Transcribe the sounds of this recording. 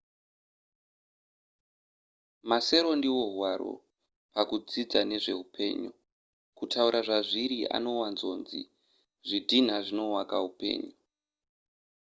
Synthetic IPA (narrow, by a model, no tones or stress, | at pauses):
mase̞ɾo̞ndiwo̞ɦwaɾo̞̰ | pakud͡zid͡zane̞ʐe̞ɦupʰe̞̰ːɲu | kutʰauɾʔaʐaʐiɾia̰no̞wanzo̞nzḭ | ʐidʱin̤aʐino̞wakaɦupe̞̰ːɲu